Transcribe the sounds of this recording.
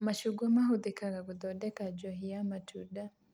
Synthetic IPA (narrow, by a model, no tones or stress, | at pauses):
maʃuɡɔmaɦuðikaɾaɡud̪ɔdɛkad͡ʒɔɦijamatʰuda